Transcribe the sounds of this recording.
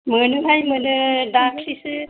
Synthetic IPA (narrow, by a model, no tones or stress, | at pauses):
mənuɦajmənɯdakʰlisɯ